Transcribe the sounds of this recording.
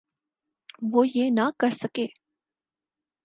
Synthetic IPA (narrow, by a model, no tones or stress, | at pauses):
ʋoːjeːnɐkɐɾsɐkeː